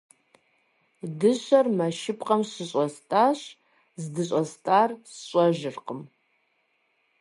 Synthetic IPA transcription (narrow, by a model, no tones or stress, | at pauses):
dɨʃʷarmaʃɪpʼqʼɐmɕɨɕʼastʼaɕ | zdɨɕʷʼastʼarsɕʷʼaʒɪrqʼəm